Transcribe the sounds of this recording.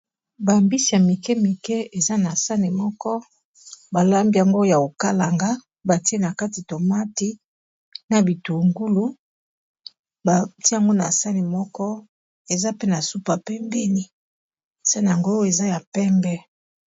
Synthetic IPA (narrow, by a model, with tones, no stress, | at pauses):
ba˨mbi˦si˨a˨mi˨kɛ˦mi˨kɛ˦e˨za˦na˨sa˦ni˨mɔ˦kɔ˦ | ba˨la˦mbi˦a˨ŋɡo˦ja˨o˨ka˦la˨ŋɡa˦ | ba˨ti˦e˦na˨ka˦ti˨to˨ma˦ti˦ | na˨bi˨tu˨ŋɡu˦lu˨ | ba˨ti˦a˨ŋɡo˦na̰˨sa˦ni˨mɔ˦kɔ˦ | e˨za˦pe˦na˨su˦pa˨pe˦mbɛ˦ni˦˨ | sa˦ni˨a˨ŋɡo˦e˨za˦ja˨pɛ˦mbɛ˦